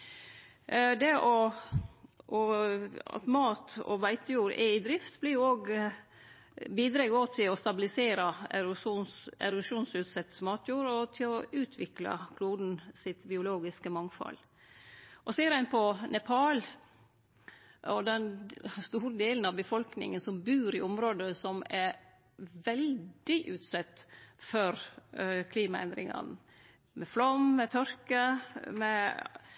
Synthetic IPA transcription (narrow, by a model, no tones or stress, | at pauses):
d̪ɛʔɔ | ʔɔɑ̰t̪mɑːt̪ɔ̰ʋæɪt̪əjuːɾɛ̰ɪd̪ɾɪft̪blɪɾjʊoːɡ | biːd̪ɾeːɡoːt̪ʰɪlɔst̪ɑbɪlɪseːɾɑɛɾ | ɛ̰ɾʉʃuːnsʉːt̪sɛt̪smɑːt̪ʰjuːɾɔt̪ʰɪlɔʉːt̪ʰʋɪklɑ̰kʰluːd̪n̩sɪt̪bɪʊloːɡɪskəmɑŋfɑ̰l | ʔɔseːɾæɪnpʰɔnɛpʰɑːl | ɔd̪ɛnst̪uːɾəd̪eːlən̩ɑʋbəfɔlknɪ̰ŋənsɔmbʉːɾɪʊmɾoːd̪əsɔmɛɾ | ʋɛldd̪ɪʔʉːt̪sɛt̪ːfɔɾkʰliːmɑɛ̰nd̪ɾɪ̰ŋɑ̰n | mɛflɔmːɛt̪ʰœɾkəmɛ